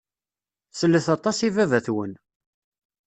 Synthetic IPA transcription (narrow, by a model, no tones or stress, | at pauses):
səlːəθɑt̪ˤɑsivævæθwən